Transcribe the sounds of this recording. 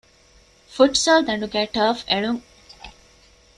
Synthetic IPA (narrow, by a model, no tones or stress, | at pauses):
fuʈsɐld̪ɐ̃ɳɖuɡɛʈəːfeɭuŋ